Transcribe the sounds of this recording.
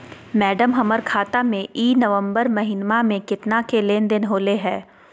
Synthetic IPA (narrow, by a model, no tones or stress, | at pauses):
mɛːɖəmɦɐməɾkʰaːt̪amẽʔiːnɐʋə̃mbəɾmɐɦɪnmamẽkɪt̪nakeleːnd̪ɪnɦoːleɦɛː